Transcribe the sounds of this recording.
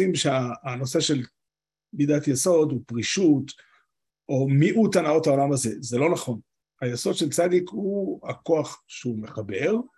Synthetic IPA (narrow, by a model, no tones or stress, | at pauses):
imʃeaːno̞se̞ʃel | bid̪at̪jeso̞d̪upʁiʃut̪ | o̞miʔut̪anao̞thao̞lamaze̞zelo̞naχo̞n | ajeso̞d̪ʃe̞lt͡sad̪ikhuhako̞aχʃeume̞χabe̞ʁ